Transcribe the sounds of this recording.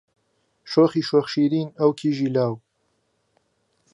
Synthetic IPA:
ʃoχiːʃwoxʃiːɾiːnɐwkʰiːʒiːlaːw

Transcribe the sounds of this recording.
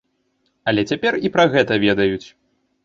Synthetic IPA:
ɐlʲɛt͡sʲapʲɛripɾɐɣɛt̪ɐvʲɛd̪ɐjut͡sʲ

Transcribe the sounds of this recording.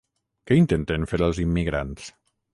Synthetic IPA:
kɛint̪ent̪enfeɾəlˠzimːiɣɾa̰ns

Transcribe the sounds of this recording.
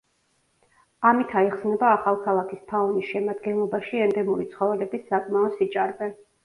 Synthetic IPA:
amit̪ʰaiχsnɛbaːχalˠkʰalˠakʰist̪ʰaɔnisʃɛmad̪ɡɛnlˠɔbaʃiɛnd̪ɛmuɾit̪sʰχɔvɛlɛbisːakʼmaɔsit͡ʃʼaɾbɛ

